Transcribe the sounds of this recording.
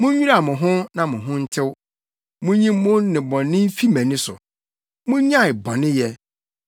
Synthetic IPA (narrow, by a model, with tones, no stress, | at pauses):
mʊ̃˦ɲᶣu˦a˨mʊ̃˨ɦʊ̃˦nã˨mʊ̃˨ɦʊ̃˦n̩˦tʰɪ˦w | mʊ̃˦ɲĩ˦m˦mʊ̃˦nɪ̃˨bɔ̃˨nːɪ̃˦m̩˦fi˦mæ̃˨nɪ̃˦sʊ̰˨ | mʊ̃˦ɲã˦˨ɪ˨bɔ̃˨nɪ̃˦jɛ˦